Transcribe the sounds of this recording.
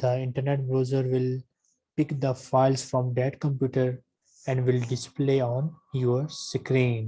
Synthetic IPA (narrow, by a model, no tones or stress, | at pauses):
d̪̥əɪ̃ɳʈəɾneʈ̚bɾoːzəɾʋɪl | pɪkd̪əfaɪlsfɾɔ̃md̪æʈkə̃mp̬juːʈəɾ | ɛ̃ɳɖʋɪlɖɪspleːɔ̃ːnjɔəɾskɾĩːn